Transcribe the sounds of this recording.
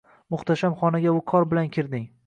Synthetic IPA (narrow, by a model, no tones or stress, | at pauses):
mʊχt̪ʰaʃamχɒnaɡʲaʊkʰɒɾbɪlankʲʰɪɾd̪ɪŋ